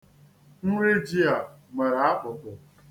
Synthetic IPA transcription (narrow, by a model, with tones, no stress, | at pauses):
n̩˦ɾe˦d͡ʒi˦a˨me˨ɾa˦k͡pʊ˨tʊ˨